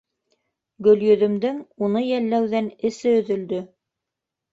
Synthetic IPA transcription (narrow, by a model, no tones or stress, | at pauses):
ɡɵ̆ljɵ̆ðɵ̆md̪ɘŋunɤjælːæwðænɘ̆sɘɵ̆ðɵ̆ld̪ɵ